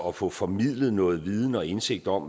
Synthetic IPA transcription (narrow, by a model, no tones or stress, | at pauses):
ɒ̽fɔ̽fɒ̽mið̰ˠləð̩ˠnɔ̽ːð̞̩ˠʋið̞ˠn̩ɒ̽e̝nse̝ɡ̥̚d̥ɒ̽m̰